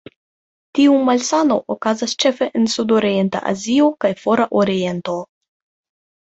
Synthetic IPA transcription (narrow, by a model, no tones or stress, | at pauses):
tiumalsano̞ʔokazast͡ʃe̞fe̞ʔensud̪oɾie̞nt̪a̰ʔa̰zio̞kajfo̞ɾaʔoɾie̞nt̪o̞